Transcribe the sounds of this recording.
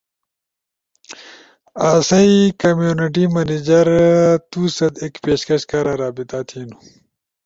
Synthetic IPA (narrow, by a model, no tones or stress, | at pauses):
aːsɐikɐmjuniʈ̬imɐnid͡ʑɐɾt̪uːsɐd̪ekpeːɕkɐɕkaɾaɾaːbit̪at̪ʰiːnu